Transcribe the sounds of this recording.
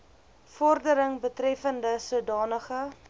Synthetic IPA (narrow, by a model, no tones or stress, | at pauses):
fɔrdəɾəŋbətrɛfəndəsudɑːnəχə